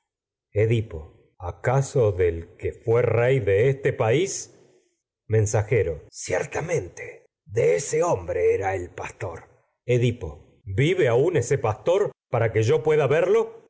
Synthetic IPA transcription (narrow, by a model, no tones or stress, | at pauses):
eðipo | akaso̞ðelkefwerejðeest̪epais | mẽ̞nsaxeɾosjḛɾt̪amẽnt̪e | ðeeseombɾeeɾaelpast̪o̞ɾ | eðipo̞̰ | biβeaunesepast̪o̞ɾpaɾakeʒo̞pwe̞ðaβeɾlo̞